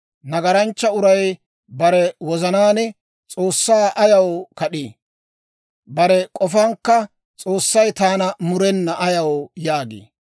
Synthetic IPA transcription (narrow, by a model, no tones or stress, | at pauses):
nɐɡɐɾɐnt͡ʃːɐʊɾɐj | bɐɾɛwɔzɐnaːnɛ | t͡sʼoːsːaːʔɐjɐwkɐɗiː | bɐɾɛkʼɔfɐŋkːɐ | t͡sʼo̞ːsːɐjt̪aːnɐmʊɾɛnːɐʔɐjɐwjaːɡḛː